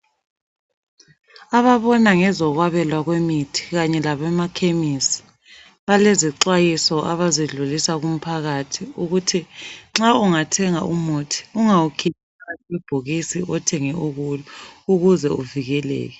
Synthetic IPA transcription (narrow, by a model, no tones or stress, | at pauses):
aβaβɔnaŋɛzɔɣwaβɛlwaɣwemitʰi̥ɣaɲɛlaβɛmakʰemisi̥ | βaleziǁwajisɔʔaβaziɮulisaɣum̩pʰaɣatʰiuɣutʰiŋ͡ǁauŋatʰɛŋa̰ʔumotʰi̥uŋawukʰitʰiawɛb̥ʱuɣisiʔɔtʰɛŋɛʔuɣulɔuɣuzɛuviɣɛlɛ̰ːɣɛ